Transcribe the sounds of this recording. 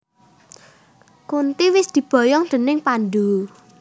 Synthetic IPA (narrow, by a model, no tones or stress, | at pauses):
kunt̪iwɪsd̪̥i̤b̥ɔ̤jɔŋd̪̥ə̤nɪŋpanɖ̪u